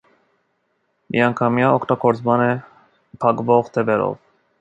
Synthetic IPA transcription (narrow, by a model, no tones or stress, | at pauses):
miɑŋkʰɑmjɑɔkʰt̪ɑɡɔɾt͡smɑnɛ | pʰɑkvɔʁt̪ʰɛvɛɾɔ̰v